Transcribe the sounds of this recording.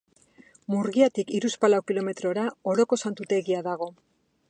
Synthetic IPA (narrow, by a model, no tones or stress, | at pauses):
muɾɣiat̪ikiɾuspalawkilo̞me̞t̪ɾo̞ɾao̞ɾo̞ko̞sant̪ut̪e̞ɣiaðaɣ̞o̞